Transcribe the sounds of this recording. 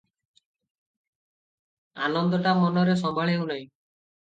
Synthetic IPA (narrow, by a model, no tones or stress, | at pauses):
a̰nɔnd̪ɔʈamɔnɔɾes̬ɔmaɭewnaj̃